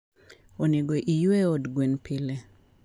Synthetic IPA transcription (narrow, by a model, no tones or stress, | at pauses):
oneɡoʔijweɔdɡwenpʰile